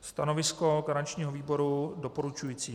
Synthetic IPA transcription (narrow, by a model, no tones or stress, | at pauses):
st̪ano̞vɪsko̞ɡaɾat͡ʃɲiːɦoviːbo̞ɾudo̞po̞ɾut͡ʃujiːt͡siː